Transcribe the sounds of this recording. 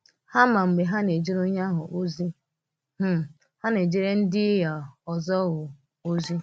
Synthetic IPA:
ha˦ma˨ŋ͡m̩˨ɡ͡be˨ɦa˦ne˨d͡ʒi˦ɾo˦ɲa˦ɦʊ̰˨ʔo˦zi˦ | h̩˦ | ha˦ne˨d͡ʒi˦ɾe˦n̩˦dɪ˦ja˨ɔ˨zɔ˦ɣʊ˨ | o˦zi˦

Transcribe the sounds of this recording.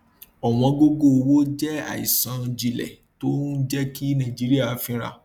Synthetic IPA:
ɔ˨w̃ɔ̃˧ɡo˦ɡo˦˨˧wo˦d͡ʒɛ˦a̰˨i˨sã˨˦ĩ˧d͡ʒi˧lɛ̰˨ | to˦n˦d͡ʒɛ˦ki˦nãː˦˨d͡ʒi˨˦ɾi˦a˦˨fĩ˦ɾa̰˦˨

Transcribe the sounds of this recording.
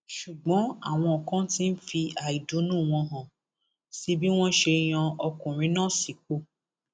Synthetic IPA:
ʃu˨ɡ͡bɔ̃˨˦a̰˦˨w̃ɔ̃˧ɔ˨kã˦tĩ˦n̩˦fi˧a˨i˨do˨˦nũ˦˨w̃ɔ̃˧ɦã˨ | si˧˦bi˦w̃ɔ̃˦ʃe˧j̃ã˧ɔ˧kũ˨ɾ̃ĩ˨˦nãː˦˨si˨k͡po˦˨

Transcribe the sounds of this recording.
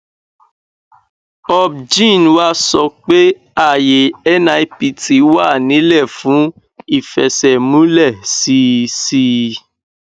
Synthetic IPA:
ɔ˧bd͡ʒĩ˦˨nwa˦sɔ˧k͡pe˦ | a˦˨je˨ɛ˦nã˧i˧˦pi˧ti˨˦wa˦˨nĩ˨˦lɛ˦˨fũ˨˦ | i˦˨fɛ˨sɛ˨mũ˦lɛ˦˨si˧˦si˧˦

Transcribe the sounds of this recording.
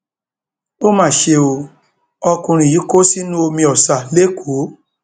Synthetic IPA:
o˦mãː˦˨ʃe˧o˧ | ɔ˧kũ˧ɾ̃ĩ˨ji˨˦ko˦si˦nũ˦o˧mĩ˧ɔ˨sa˨le˦kʰu˨˦

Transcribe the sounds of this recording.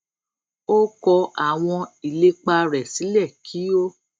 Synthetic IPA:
o˦kɔ˧a˨w̃ɔ̃˧i˨le˧k͡pa˧ɾɛ˨si˨˦lɛ˦˨kʰi˨˦o˦

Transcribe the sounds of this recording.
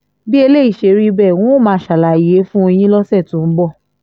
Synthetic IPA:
bi˦e˧le˦i˦˨ʃe˨ɾi˦bɛ˦˨wũ˦o˦˨mãː˨˦˨ʃa˨la˨i˨je˨˦fũ˦˧j̃ĩ˦lɔ˦sɛ˦˨tũ˨˦m̩˦bɔ˦˨

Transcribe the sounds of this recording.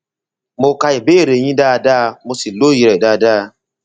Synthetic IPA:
mo˧ka˧i˨be˦˨ɾe˨j̃ĩ˦daː˦˧da˦˧mo˧si˨lo˦ji˧ɾɛ˨daː˦˧˨da˦˧

